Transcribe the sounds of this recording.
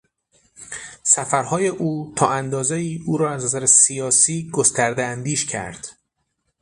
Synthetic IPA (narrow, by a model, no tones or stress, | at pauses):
sæfæɾhɒːje̞ʔuːt̪ʰɒːʔænd̪ɒːzeiːʔuːɾɒːæznæzæɾesijɒːsiːɡo̞st̪æɾd̪eænd̪iːʃcʰæ̰ɾd̪̥